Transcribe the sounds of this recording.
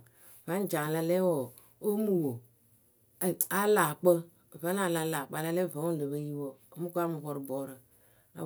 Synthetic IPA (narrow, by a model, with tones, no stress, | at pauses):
va˨˦n˦d͡ʒa˨la˨˧le˦wo˨ | o˦mu˨wo˨ | a˦la˨k͡pə˦˨ | va˨˦n˦a˨la˨˦la˨k͡pa˨la˦le˦˨va˨˦o˦˨lə˨bə˦ji˦wo˦˨o˦mu˦ka˦mu˨βo˨ɾbo˨ɾə˨ | a̰˨